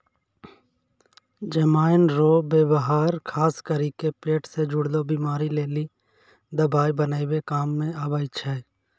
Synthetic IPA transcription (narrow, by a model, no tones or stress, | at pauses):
d͡ʒəmaːɪnɾoːbeːbəɦaːɾkʰaːskəɾikepeːʈsed͡ʒʊɽlobiːmaːɾileːli | d̪əbaːibənaːibekaːmːẽabəːɪt͡ʃʰɛː